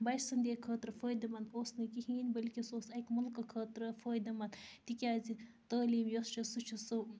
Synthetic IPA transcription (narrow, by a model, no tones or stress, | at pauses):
bɐjsɐnd̪ʲeːkʰəːt̪ɾɐfəːjd̪ɐmɐnd̪oːsnɐkiɦiːnʲbɐlʲkʲisoːsɐkmɐlkɐkʰəːt̪ɾɐfəːjd̪ɐmɐnd̪t̪ikʲaːzi | t̪ɐːliːmjost͡ʃɐsut͡ʃʰusɨ